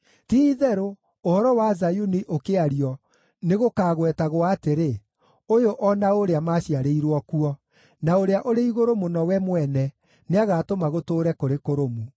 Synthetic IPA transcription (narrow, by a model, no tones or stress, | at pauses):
tiðɛɾoː | hɔɾɔwazajuniʔokeaɾiɔ | neɣokaɣwɛtaɣoaːteɾe | ojoʔɔnaoɾeamaɕiaɾeiɾwɔkuɔ | naoɾeaʔoɾeiɣoɾomonɔwɛmwɛnɛ | neaɣaːtomaɣotoːɾɛkoɾekoɾomu